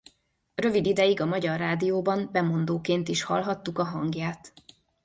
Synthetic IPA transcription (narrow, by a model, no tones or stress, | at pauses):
rø̞vid̪id̪ɛjiɡɒmɒɟɒrːaːd̪ijoːbɒmbɛmo̞nd̪oːkeːnt̪iʃhɒ̰lɦɒt̪ːukɒɦɒŋɡjaːt̪